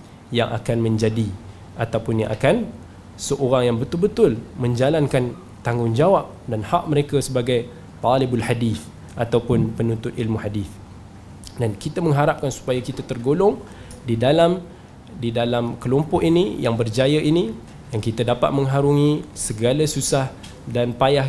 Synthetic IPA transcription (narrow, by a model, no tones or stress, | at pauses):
jaŋʔa̰kanmə̃ɲd͡ʒadi | ʔa̰t̪awpʊnja̰ŋʔa̰kan | səʔoɾaŋjaŋbət̪ʊlbət̪ʊlmə̃ɲd͡ʒalankan | t̪aŋʊnd͡ʒawap̚danhaʔ̚məɾekasəbaɡaj | t̪ɑlɪbalħadiθ | ʔat̪awpʊnpənunt̪ʊt̪ilmuħadiθ | dankit̪amə̃ŋɦaɾap̚kansu̥pajakit̪at̪ərɡolʊŋ | didalam | didalamkəlompɔʔinijaŋbərd͡ʒajəʔini | jaŋkit̪adapa̰t̪̚mə̃ŋɦaɾuŋĩsəɡalasusah | danpajah